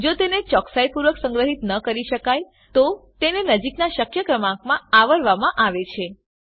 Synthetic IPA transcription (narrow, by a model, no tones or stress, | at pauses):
d͡ʒot̪enet͡ʃɔksajpuɾʋəksə̃ŋɡɾəɦit̪nəkəɾiʃəkaj | t̪ot̪enenəd͡ʒiknaʃəkjəkɾəmãkmãaʋəɾʋamãʔaʋet͡ʃʰe